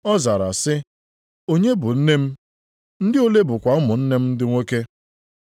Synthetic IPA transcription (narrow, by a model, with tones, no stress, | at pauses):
ɔ˦za˨ɾa̰˨sɪ˦ | o˦ɲe˦bʊ˨n̩˦ne˦m̩˦ | n̩˦dɪ˦o˦le˦bʊ˨kʷa˨ʊ˦mʊ˨n̩˦ne˦m̩˦n̩˦dɪ˦ŋʷo˦ke˦